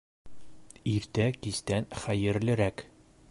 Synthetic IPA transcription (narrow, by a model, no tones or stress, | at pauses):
iɾt̪ækist̪ænχæjɘ̆ɾlɘ̆ɾæk